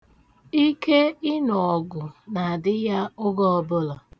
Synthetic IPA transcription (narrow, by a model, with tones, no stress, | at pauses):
i˦ke˦ɪ˦nɔ˨ɔ˨ɡʊ˨na˨dɪ˦ja˦ʊ˦ɡɔ˦ɔ˦bʊ˦lɔ˨